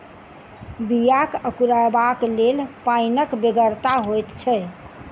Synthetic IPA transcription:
bijakəkuɾaebaklelpainəkbeɡəɾt̪aɦojt̪t͡ʃʰɛ

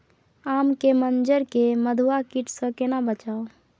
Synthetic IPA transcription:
amkemənd͡ʒəɾkeməd̪ʱuakiʈsə̃kenabət͡ʃaːo

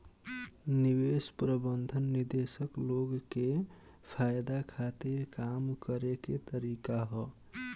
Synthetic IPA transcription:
nibespɾəbənd̪ʱənːiɾd̪esəkloɡke | pʰajd̪akʰat̪iɾkamkəɾeket̪əɾikaɦɔ

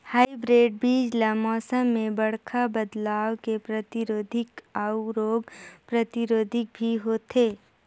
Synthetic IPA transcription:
haːibɾeːɖ̚biːd͡ʒlamɔːsəmːẽbɐɽ̤kʰabəd̪laːwkepɾɐt̪ɪɾoːd̪ʱɪkaːʊɾoːɡpɾɐt̪ɪɾoːd̪ʱɪk̚bʱiɦoːt̪eː

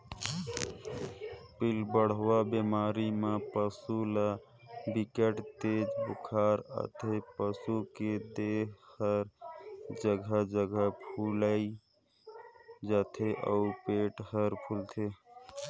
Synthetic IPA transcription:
pilbəɽ̤wabemaɾimepəsula | bikəʈt̪eːd͡ʒbukʰaɾə̰t̪ʰepəsuked̪ekhəɾd͡ʒəɡʱəd͡ʒəɡʱəpʰuləi | d͡ʒat̪ʰeʔə̰upeʈhəɾpʰult̪ʰe

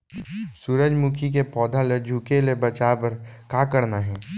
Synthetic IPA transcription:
suɾəd͡ʒmukʰik̬epɔːd̪ʱaled͡ʒʱuːkelebɐt͡ʃaːpɐɾkaːkəɾnaɦɛː

